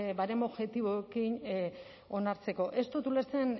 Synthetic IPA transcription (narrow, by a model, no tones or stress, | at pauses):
baɾe̞no̞βʝe̞t̪iβoekin | o̞naɾt͡se̞ko̞ʔe̞st̪ut̪uleɾt͡sen